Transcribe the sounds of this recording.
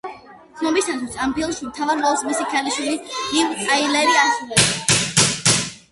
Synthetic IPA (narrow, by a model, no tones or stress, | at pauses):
t̪sʰnɔbist̪ʰanʰisampʰilˠʃimt̪ʰavaɾvɔlˠsmɛsikʰɛliʃwilinivt̪ʼailɛɾiasɾulɛba